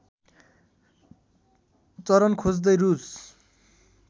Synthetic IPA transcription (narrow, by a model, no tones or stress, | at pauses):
t͡sʌɾʌnkʰod͡zd̪ʌjrus